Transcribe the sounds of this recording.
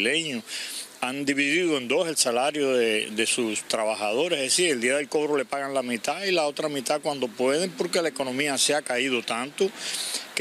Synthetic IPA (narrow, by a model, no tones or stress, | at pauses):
leɲoand̪iβiðiðoẽ̞nd̪o̞se̞lsalaɾjo̞ðeðe̞sust̪ɾaβahað̞o̞ɾesðesiɾe̞ld̪iaðelko̞βɾo̞le̞paɣaŋlamĩt̪ailao̞t̪ɾamĩt̪akwand̪o̞pwe̞ð̞empo̞ɾkelaeko̞nõ̞mĩaseakaiðo̞t̪ant̪ok